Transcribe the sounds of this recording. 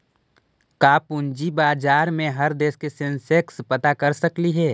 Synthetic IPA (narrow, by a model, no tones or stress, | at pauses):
kaːpʊnd͡ʒibaːd͡ʒaːɾmẽɦɐɾd̪eːskesɪ̃nsekspɐt̪akɐɾsəkliɦɛː